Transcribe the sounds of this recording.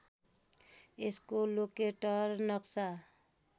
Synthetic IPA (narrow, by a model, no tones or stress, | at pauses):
eskolokeʈʌɾnʌksa